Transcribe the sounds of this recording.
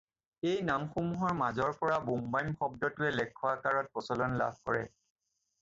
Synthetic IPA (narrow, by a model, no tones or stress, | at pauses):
ejnamxomuɦɔɹmazɔɹpɔɹabumbajmxɔb̚dɔtʊɛlɛkʰːɔwakaɹɔt̚pɔsɔlɔnla̰b̚ʱkɔ̰ɹɛ̰